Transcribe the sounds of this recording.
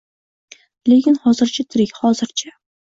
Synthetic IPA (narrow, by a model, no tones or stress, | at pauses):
le̞kʲɪnhɒzɪɾt͡ʃʰat̪ʰɪɾɪkʲhɒzɪɾt͡ʃʰa